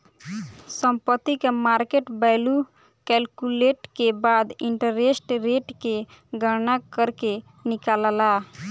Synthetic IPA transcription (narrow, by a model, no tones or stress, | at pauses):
səmpət̪ːikemaɾkeʈbaɪlu | kɛlkuleʈkebad̪iɳʈəɾesʈɾeʈke | ɡəɾnakəɾke | nikaləla